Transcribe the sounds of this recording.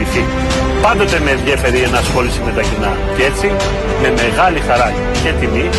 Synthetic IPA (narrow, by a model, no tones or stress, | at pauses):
iθi | pɐnd̪o̞t̪e̞meðʝje̞fe̞ɾiʝɐnɐːsxo̞lisime̞t̪ɐcinɐ | ce̞t͡si | me̞me̞ɣɐlixɐɾɐ | ʝɐt̪imi